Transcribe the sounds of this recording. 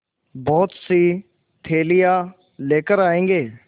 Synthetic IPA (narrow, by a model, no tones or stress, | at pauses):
bɔːt̪si | t̪ʰeːlɪjaː | leːkəɾaːẽːŋɡeː